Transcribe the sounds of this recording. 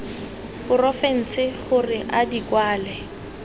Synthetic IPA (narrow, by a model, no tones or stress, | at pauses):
bʊrɔfɛn̩sɪχʊrɪʔadikwaːlɛ